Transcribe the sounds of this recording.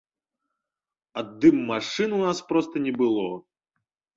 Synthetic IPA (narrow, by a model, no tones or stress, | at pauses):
ɐd̪ːɨmːaʂɨnunaspɾɔst̪ɐnʲɛbɨlˠɔ